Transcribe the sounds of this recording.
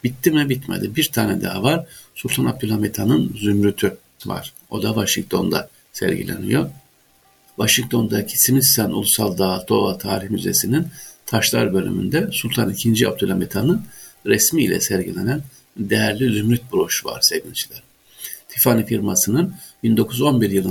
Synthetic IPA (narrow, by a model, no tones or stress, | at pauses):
b̥it̪ʰːimɛbit̪mḛd̪ibiɾt̪ʰaːnɛd̪aavaɾ̥sulʲt̪ʰanab̚d̪ylʲˠhamet̪ʰanɯnzymɾyt̪ʰy | va̰ɾ̥ | o̞d̪avaʃiŋk̚t̪ʰo̞nd̪a̰ | sɛ̰ɾɟḭlʲḛnḭjo̞ | vaʃiŋk̚t̪ʰo̞nd̪acʰi̥simist̪anʔṵlˠusalˠd̪aːt̪ʰːo̞ːlˠat̪ʰaːɾihmyze̞̰sinint̪ʰaʃlˠaɾbø̞lʲy̰my̰nd̪ɛsulʲt̪ʰanicʰind͡ʒia̰b̚d̪ylʲhamet̪ʰanɯnɾɛsmḭːlʲɛ̰sɛɾɟilʲe̞næn | d̪ejæɾlʲizymɾyt̪̚buɾo̞ʃuva̰ɾ̥sevint͡ʃʰilʲæɾ̥ | t̪ʰifanifiɾmasɯnɯn | bind̪o̞kʰuzo̞nbiɾjɯlˠɯ